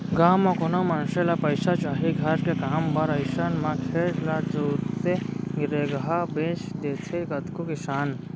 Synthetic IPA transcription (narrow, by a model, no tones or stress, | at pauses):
ɡaːmakonomɐnselapəɪsat͡ʃaːɦiɡʱɐɾkekaːmbəɾəɪsənmãkʰeːɾlat͡ʃoːɾt̪eɡɾeɡɦabeːt͡ʃd̪et͡ʃʰeɡət̪kokɪsaːn